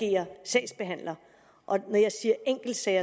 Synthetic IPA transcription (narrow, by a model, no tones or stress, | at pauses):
e̝̰ːɐsɛɪsb̥e̝ɦæn̰lɐ | ʔɒ̽nɒjɑ̈ɪsiːɐeŋ̰ɡ̥l̩d̥sɛɪɐ